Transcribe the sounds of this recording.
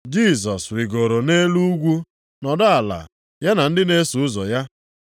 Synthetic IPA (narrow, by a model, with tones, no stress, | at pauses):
d͡ʒi˦˨s̬ɔ˨sɾɪ˨ɡo˨ɾo˨ne˦lu˦u˦ɡʷu˦ | nɔ˨dʊ˦a˨la̰˨ | ja˦na˨n̩˦dɪ˦ne˦su˨ʊ˦zɔ˨ja˦